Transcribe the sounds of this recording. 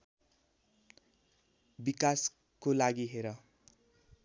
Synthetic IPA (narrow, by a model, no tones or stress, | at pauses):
bikas | kolaɡiɦeɾʌ